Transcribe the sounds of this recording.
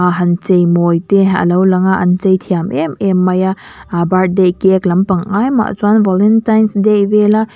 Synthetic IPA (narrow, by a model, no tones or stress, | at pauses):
aɦɐnt͡ʃejmojteɐ̰lɐwlɐŋaɐ̰nt͡ʃɐjtʰijamememːajabaɾ̚dekeklɐmpɐŋajma̰ʔt͡ʃuanbɔlentajnsdebela